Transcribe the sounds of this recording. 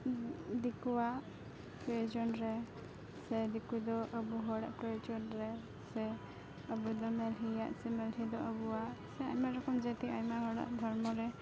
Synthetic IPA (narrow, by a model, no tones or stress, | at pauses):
d̪ikuwaʔ | pɾɔɔd͡ʒɔnɾɛ | sɛd̪ikud̪ɔʔəbuɦɔɽa̰ʔpɾɔjɔd͡ʒɔnɾɛ | sɛ | əbud̪ɔmɛlɦijaʔsɛmɛlɦid̪ɔʔəbuwaʔsɛaɲmaɾɔkɔmd͡ʒət̪iaɲmaɦɔɽa̰ʔd̪ʱɔɾmɔɾɛ